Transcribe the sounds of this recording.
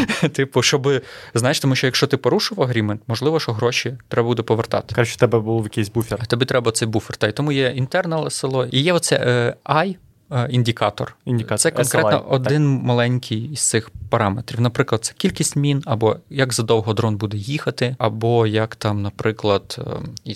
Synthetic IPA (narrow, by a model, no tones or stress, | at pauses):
t̪ɪpʊʃɔbɪznɑjeʃt̪ɔmuʃʲt͡ʃɔjɐkʃt͡ʃɔt̪ɪpɔɾuʃʊʋɐɦɾʲiment̪mɔʒlˠɪʋɔʃɔɦɾɔʃʲit̪ɾɛbɐbud̪ɛpɔʋert̪ɑ̰t̪ɪ̥kɑt͡ʃɔt̪ɛbɛbulˠjɐkijsʲbufʲɛrt̪ɐbit̪ɾɛbɐt̪sɛjbufʲert̪ɑjt̪ɔmujɛint̪ɛrnɐlˠesɪlˠɔijɛɔt̪sɛɑj | inʲdʲikɑt̪ɔ̰rʲsɛkɔnkɾɛt̪nɔ̰ʔɔd̪ɪnmɐlˠɛnʲkʲʰɪjizt̪sɪxpɐɾɑmet̪ɾʲiwnɐpɾɪklˠɐd̪t̪sɛ̥kʲilʲkʲisʲtʲmʲinɐbɔjɐɡzɐd̪ɔwɦɔd̪ɾɔnbud̪ɛjixɐt̪ɪɐbɔjɐkt̪ɑmnɐpɾɪklˠɐd̪̥i